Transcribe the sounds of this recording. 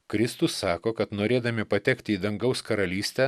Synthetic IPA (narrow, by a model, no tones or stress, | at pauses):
kɾʲɪst̪ʊsːɑːkoːkɐt̪noːɾʲeːd̪ɐmʲɪpɐt̪ʲɛkt̪ʲɪiːd̪ɐŋɡɐʊskɐɾɐlʲiːsʲt̪ʲɛ